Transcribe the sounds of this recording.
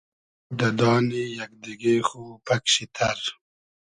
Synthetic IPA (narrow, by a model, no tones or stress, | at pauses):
d̪ɐd̪ɑːnijɐk̚d̪iɡexupɐkɕit̪ʰɐɾ